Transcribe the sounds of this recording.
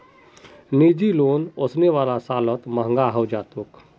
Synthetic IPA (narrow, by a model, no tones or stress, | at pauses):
niːd͡ʒiloːnosneʋaːlasaːlət̪məɦə̃ŋɡaɦəwd͡ʒaːt̪uk